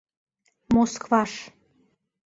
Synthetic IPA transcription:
moskvɑʃ

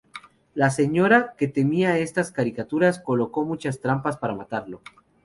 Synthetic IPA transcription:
lase̞ɲo̞ɾake̞t̪e̞miae̞st̪askaɾikat̪uɾasko̞lo̞ko̞mut͡ʃast̪ɾampaspaɾamat̪aɾlo̞

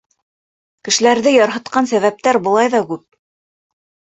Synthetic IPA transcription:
kɘ̆ʃɘ̆læɾðɘjɑɾɦɤ̆t̪̚qɑnsæβæp̚t̪æɾbɤ̆lˠɑjðɑkʉp̚

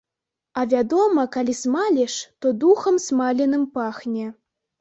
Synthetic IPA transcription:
ɐvʲad̪ɔmɐkalʲismalʲiʂt̪ɔd̪uxɐmsmalʲinɨmpaxnʲɛ

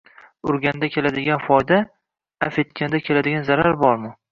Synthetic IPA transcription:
ʊɾɡʲand̪akʲʰe̞lad̪ɪɡʲanfɒjd̪a | afet̪̚kʲand̪akʲʰelad̪ɪɡʲanzaɾaɾbɒɾmʊ

